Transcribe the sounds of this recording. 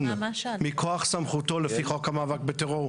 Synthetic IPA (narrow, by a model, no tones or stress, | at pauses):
nmikʰoaχsamχuto̞lefiχo̞khamaavak̚beteʁoʁ